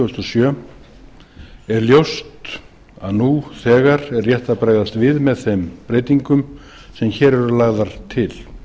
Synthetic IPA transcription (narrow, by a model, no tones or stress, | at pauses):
st̪ɔsjœː | ɛɾljowst̪ | aðnuθɛːɣaɾɛrrjɛht̪apɾaːjɣðast̪vɪðmɛðθempɾeːjt̪iŋkʏm | sɛmçɛːɾɛɾʏlaːɣðaɾ̥t̪ʰɪl